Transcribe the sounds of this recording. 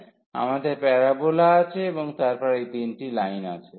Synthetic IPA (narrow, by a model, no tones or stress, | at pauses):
a̰mad̪eɾpɛɾabolaat͡ɕʰeeboŋt̪aɾpɔɾejd̪inʈilajnat͡ɕʰe